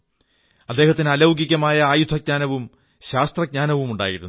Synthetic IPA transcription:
ɐd̪ːe̞ːhɦɐt̪ːinɐlɐwɡikʲːɐmaːjɐaːjud̪ʱɐɡ̚ɲaːnɐʋum | ɕaːst̪rɐɡ̚ɲaːnɐʋumuɳɖa̰ːjiɾunː

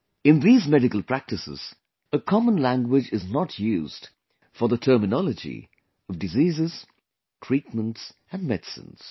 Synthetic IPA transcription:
ɨ̃nðizmɛɾɨkəlˠpʰɹ̥æk̚tɨsɪ̰z̥ | əkʰɑmə̃nlæ̃ŋɡwɪd͡ʒɨznətʰjʉz̥d̥ | fə˞ðətʰɜ˞mɨnɑlˠəd͡ʒḭ | ʌvdɨzizɪz̥ | tʰɹ̥it̚mə̃nts | ɨ̃nmɛd̥sɨ̰̃nz̥

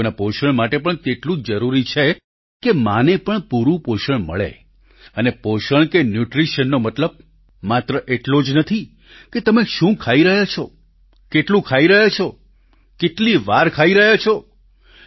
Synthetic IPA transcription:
napoʃəɳmaʈepəɳt̪eʈlũd͡ʒəɾuɾit͡ʃʰe | kemanepəɳpuɾũpoʃəɳmə̰ɭḛ | ənepoʃəɳkenjuʈɾiʃənːomət̪ləb̚ | mat̪ɾəʔeʈlod͡ʒnət̪ʰi | ket̪əmeʃũkʰaiɾəɦat͡ʃʰo | keʈlũkʰaiɾəɦat͡ʃʰo | keʈliʋaɾkʰaiɾəɦat͡ʃʰo

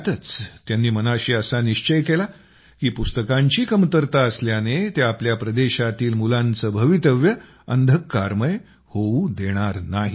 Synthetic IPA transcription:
t̪ət͡st̪janːiːmənaɕiːəsaniɕt͡ɕəjkela | kiːpust̪əkãɲt͡ɕiːkəmt̪əɾt̪aəsljanet̪eapljapɾəd̪eɕat̪iːlmulãnt͡səbʱəʋit̪əʋjə | ənd̪ʱəkːaɾməj | houd̪eɽ̃aɾnaɦi

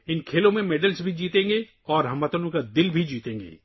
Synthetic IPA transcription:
ɪnkʰeːlõmẽmɛːɖəlzbʱid͡ʒiːt̪ẽːŋ̆ɡe | ɔːɾɦɐ̃mʋɐt̪ənõkad̪ɪlbʱid͡ʒiːt̪ẽːŋɡḛː

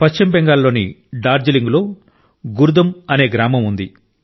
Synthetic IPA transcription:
pɐʃt͡ʃːimbɛŋɡaːlːo̞ːniɖaːɾd͡ʒɐliŋɡlo̞ː | ɡuɾud̪ɐmɐne̞ːɡɾaːmɐmund̪i

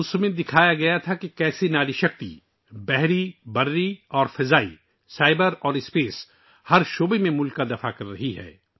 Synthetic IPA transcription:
ʊsmẽd̪ɪkʰaːjaɡɐjat̪ʰakekɛːsenaːliʃɐk̚t̪ḭ | bɛɦɾibɐɾːiɔːɾfɪzaːḭ | saːɪbəɾɔːɾɪspeːs | hɐɾʃoːbemẽmʊlkːad̪ɐfakɐɾːɐɦiɦɛ̰ː

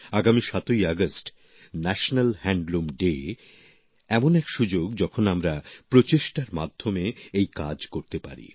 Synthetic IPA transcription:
aɡamiʃat̪ojaɡasʈ | nɛʃnalhɛɳɖlumɖe | ɛmonɛkʃud͡ʑoɡd͡ʑɔkʰonamɾapɾot͡ɕeʃʈaɾmad̪ʱːomeejka̰d͡ʑkoɾt̪epa̰ɾḭ

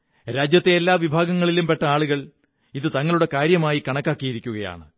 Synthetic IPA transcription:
ɾaːd͡ʑjɐt̪ːeːlːaːʋibʱaːɡɐŋːɐɭilumpe̞ʈːɐaːɭuɣɐɭ | iðɨt̪ɐŋːɐɭuɽe̞kaːɾjɐmaːjikɐɳɐkːaːkːijiɾikʲːuɣɐja̰ːɳɨ

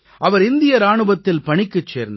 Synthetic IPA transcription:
ʔɐʋɐɾɪnd̪ɪjɐɾaːɳɯbɐt̪ːɪlpɐɳɪkːɯt͡ʃːeːɾnd̪ɐ

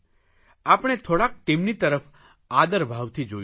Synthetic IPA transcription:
apəɽ̃et̪ʰoɽak̚t̪emnit̪əɾəf | ad̪əɾbʱaʋt̪ʰid͡ʒo

